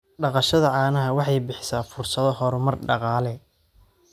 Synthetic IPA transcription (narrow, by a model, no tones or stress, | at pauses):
ɖɑqɑʃɐðɐʕɑːnɐɦɐwɑħɑjbɪħɪsaːfʊrsɐðɔhɔɾʊmɐrɖɑqɑːlɛ